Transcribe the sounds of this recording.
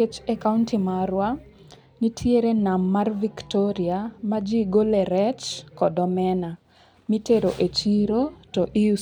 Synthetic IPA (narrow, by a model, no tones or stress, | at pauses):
et͡ʃɛkauntimaɾwa | nitʰieɾenamːarviktɔɾiamad͡ʒiɡolɛɾɛt͡ʃkɔdɔmɛna | miteɾoʔet͡ʃiɾotɔʔiu